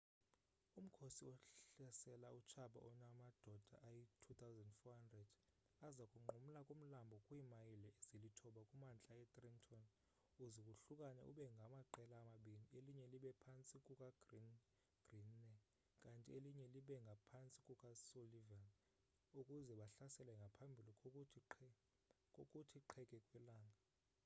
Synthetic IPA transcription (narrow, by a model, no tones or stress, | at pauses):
um̩kʰosiɔɬɛsɛlaut͡ʃʰaɓa̰ʔɔnamad̥ʱɔd̥ʱa̰ʔajitʰut̪ʰawzandfɔhandrɛd | azakʼuŋ͡ǃum̩lakʼum̩lambʱɔkʼwiːmajilɛezilitʰɔɓakʼumant͡ɬʼaɛtʼrintʰɔn | uzikʼuɬukʼanɛ̰ʔṵɓɛŋɡʱamaǃɛlaːmaɓinieliɲɛliɓɛpʰant͡sʼikʼukʼaɡn | ɡ̥rinːɛ | kʼantʼieliɲɛliɓɛŋɡʱapʰant͡sʼikʼukʼasolivan | ukʼuzɛɓaɬasɛlɛŋɡʱapʰambʱili | kʼokʼutʰiǃʰɛkʼɛkʼwɛlaːŋʱa